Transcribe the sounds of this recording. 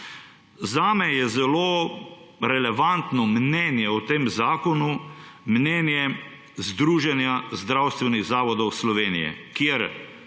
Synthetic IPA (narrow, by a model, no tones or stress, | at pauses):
zaːmɛjɛzɛlo | ɾɛlɛʋant̪nɔmnɛnjɛɔt̪eːmzaːkɔnu | mnɛnjɛ | zd̪ɾuːʒɛnjazd̪ɾawst̪ʋɛniɣzaːʋɔd̪ɔwslɔʋeːnijɛ̰kjeɾ